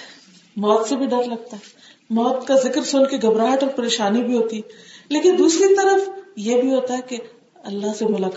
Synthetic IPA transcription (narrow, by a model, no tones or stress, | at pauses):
mɔːt̪sebʱiɖɐɾlɐɡ̚t̪aɦɛ | mɔːt̪kazɪkɾsʊːnkeɡɐbɾaːɦʈɔːɾpɐɾeːʃaːnibʱiɦoːt̪ileːkɪnd̪uːsɾit̪ɐɾəfjebʱiɦoːt̪aɦɛke | ɐlːaɦsemɐlaːk